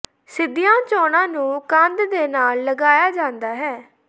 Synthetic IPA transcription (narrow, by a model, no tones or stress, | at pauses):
sɪd̪ɪjãːt͡ʃɔːnãːnũːkə̃nd̪d̪eːnaːlːəɡaːjaːd͡ʒãːnd̪aːɦɛː